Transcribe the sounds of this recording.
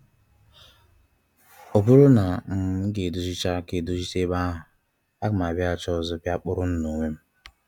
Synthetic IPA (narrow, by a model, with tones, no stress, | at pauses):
o˨bu˦ɾu˦na˨ŋ̩˦ɡe˨du˨zi˦t͡ʃa˦ke˨du˦zi˦t͡ʃe˦ba˦ɦʊ˨ | a˦ɡʊ˨ma˨bja˦˨t͡ʃɔ˦zʊ˦pja˦k͡pʊ˦ɾʊ˦n̩˦no˨ŋʷe˦m̩˦